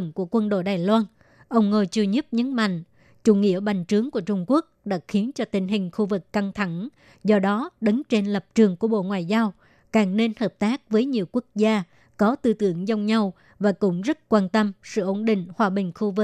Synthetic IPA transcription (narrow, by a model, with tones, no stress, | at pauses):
ŋku˧˩əkwə˧nɗo̰˧˨jɗaː˨˩jlwaː˧n | ʔə˧wŋ͡mŋo˧jt͡ɕɨ˧ɲɨ˦˥p̚ɲɨ̰˧˥ŋma̰˧˨jŋ̟ | t͡ɕu˧˩ŋḭ˧˨əɓa˨˩jŋ̟t͡ɕɨ˨˦əŋku˧˩ət͡ɕʊ˧ŋ͡mku˦˥ək̚ɗa̰ː˧˥xi˨˦ənt͡ɕɔ˧t̪ï˧˩ŋ̟ɦï˨˩ŋ̟xu˧vɨ˨˩kːa˧ŋt̪ʰa˧˩ŋ | zɔ˧ɗɔ˨˦ɗɨ˨˦ŋt͡ɕe˧nlə˨˩p̚t͡ɕɨ˨˩əŋku˧˩əɓo̰˧˨ŋwaː˨˩jzaː˧w | kaː˨˩ŋne˧nhəː˨˩p̚t̪aː˦˥k̚vəː˨˦jɲi˨˩əwku˦˥ək̚zaː˧ | kɔ˨˦t̪ɨ˧t̪ɨ̰˧˩˨əŋza˧wŋ͡mɲa˧w | vaː˨˩kʊ̰˧˩ŋ͡mzə˦˥t̚kwaː˧nt̪ə˧msɨ̰˧˨ʔo˧˩nɗï˧˨ŋ̟hwaː˨˩ɓï˨˩ŋ̟xu˧vɨ˨˩